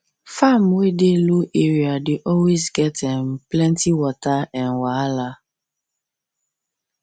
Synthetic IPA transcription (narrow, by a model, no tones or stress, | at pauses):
famwedeloʔeɹiadeʔɔlwezɡɛtɛ̃mplɛ̃ntiwɔtaɛ̃nwala